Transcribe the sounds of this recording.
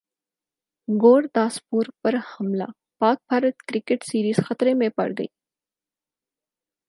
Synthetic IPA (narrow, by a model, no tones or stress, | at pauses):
ɡoːɽd̪aːspuːɾpɐɾhɐmla̰ː | paːk̚bʱaːɾət̪kɾɪkeʈsiːɾiːzxɐt̪ɾemẽpɐ̰ɽɡɐ̰iː